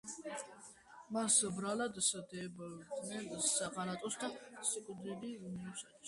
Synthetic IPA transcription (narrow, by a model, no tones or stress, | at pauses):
masbɾalad̪sd̪ɛbd̪nɛnsaqalat̪ʼɔsd̪asikʼd̪iliuniusat̪ʼs